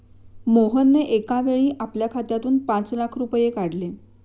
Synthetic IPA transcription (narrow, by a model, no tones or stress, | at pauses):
moɦənːeʔekaʋeɭiːʔapljakʰat̪jat̪uːnpãt͡slakʰɾupjekaɽle